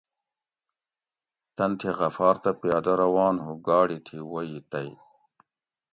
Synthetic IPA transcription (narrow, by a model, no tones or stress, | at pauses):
t̪ɐnt̪ʰiɣɐfaːɾt̪ɐpijaːd̪ɐɾɐwaːnɦuɡaːɽit̪ʰiwɐjit̪ɐi